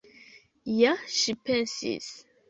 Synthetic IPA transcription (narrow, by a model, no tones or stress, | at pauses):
jaʃipɛ̃nsḭz